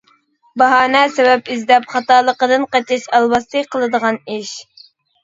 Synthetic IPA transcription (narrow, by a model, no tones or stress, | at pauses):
bɑɦɑːnɛsɛbɛpizd̪ɛpχɑt̪ɑːlˠəqəd̪ɨnqɑt̪ʰɪʃɑlˠbɑst̪ɨqʰəlˠɨd̪əʁɑniʃ